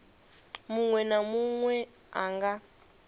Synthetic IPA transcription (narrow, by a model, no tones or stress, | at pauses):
muŋwɛnamuŋwɛ | aŋɡa